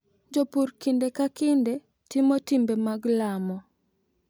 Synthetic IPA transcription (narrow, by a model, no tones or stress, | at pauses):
d͡ʒopuɾkindekakɪnde | timotimbemaɡlamɔ